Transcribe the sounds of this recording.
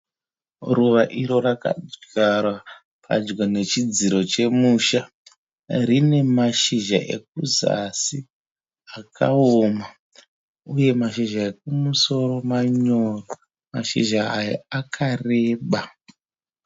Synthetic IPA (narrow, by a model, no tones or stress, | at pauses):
ruʋaʔiɾo̞raka̰ɡarwa | pʰa̰d͡ʒɡone̞t͡ʃid͡ziɾo̞t͡ʃe̞muʃa | rine̞maʃiʒa̰ʔḛk̚uza̰si | akʰa̰oːma | uje̞maʃiʒaek̚umuso̞ro̞maɲoro | maʃḭʒaːja̰akʰare̞ːɓa